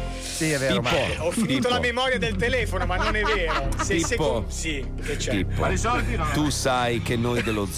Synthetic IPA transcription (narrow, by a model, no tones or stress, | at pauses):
siveioaoɔfːiniːt̪olamemɔːɾjad̪elt̪elɛːfonomanːonɛvːeːɾosespːsi | ket͡ʃɛipːo̰sɔt̪usajkenːojd̪elod̪z